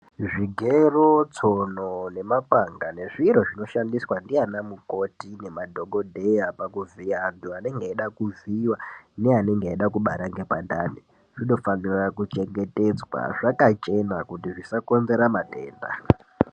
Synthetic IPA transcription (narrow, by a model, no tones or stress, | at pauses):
ʐiɡʱerot͡sonone̞mapaŋɡane̞ʐiɾo̞ʐino̞ʃandiswandianamuko̞tine̞madʱo̞ɡo̞dʱe̞japakuviaːntuane̞ŋɡeːɗakuviwaneane̞ŋɡeeɗakuɓaɾaŋɡe̞panda̰ni | ʐ̥iɗo̞fanirakut͡ʃe̞ŋɡe̞te̞d͡zwa̰ʐakat͡ʃe̞nakutiʐisako̞nze̞ɾamate̞̰ːnda̰